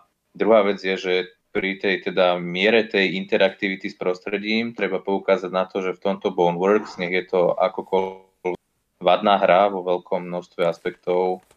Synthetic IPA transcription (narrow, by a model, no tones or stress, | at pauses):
d̪ɾuɦaːʋɛd͡zɪjɛʒɛ | pɾit̪ɛjt̪ɛd̪amɪɛɾɛt̪ɛjint̪ɛɾakt̪iʋit̪ispɾɔst̪ɾɛɟiːmt̪ɾɛbapɔukaːzaɟnat̪ɔʒɛft̪ɔmt̪ɔbɔnʋɔɾkz̥ɲɛɣjɛt̪ɔʔa̰kɔkɔ | l | ʋad̪naːɦɾaʋɔʋɛlkʰɔmːnɔst̪ʋɛaspɛk̚t̪ɔʊ